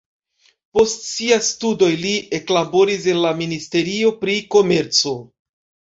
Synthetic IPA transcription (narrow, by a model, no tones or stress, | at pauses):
po̞stsiajstudo̞jlie̞klabo̞ɾis̬e̞nlaministe̞ɾio̞pɾiko̞me̞ɾt͡so̞